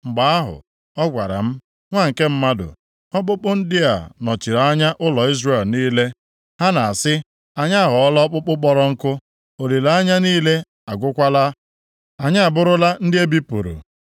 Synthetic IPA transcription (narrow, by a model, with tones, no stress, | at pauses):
ŋ͡m̩˨ɡ͡ba˨a˦ɦʊ̰˨ | ɔ˦ɡʷa˨ɾa̰˨m̩˦ | ŋʷa˦˨ŋ̩˨ke˦m̩˦ma˦dʊ̰˨ | ɔ˦k͡pʊ˦k͡pʊ˦n̩˦dɪ˦a̰˨nɔ˨t͡ʃi˨ɾa˨a˦ɲa˦ʔʊ˦lɔ˨i˦zre˦˨lniː˦le˦ | ha˦na˨a˨sɪ˦ | a˨ɲa˦a˦˨ɦɔ˨ɔ˦lɔ˦k͡pʊ˦k͡pʊ˦k͡pɔ˦ɾɔ˦ŋ̩˦kʊ˦ | o˨li˨la˦a˦ɲa˦niː˦le˦ | a˨ɡʷʊ˦kʷa˦la˦ | a˨ɲa˦a˨bʊ˦ɾʊ˦la˦n̩˦dɪ˦e˦bi˦pṵ˨ɾṵ˨